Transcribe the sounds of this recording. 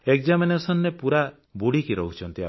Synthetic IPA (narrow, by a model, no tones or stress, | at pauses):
ek̚d͡ʒaminesɔnːepuɾa | buɽikiɾɔɦut͡ʃʰɔnt̪ia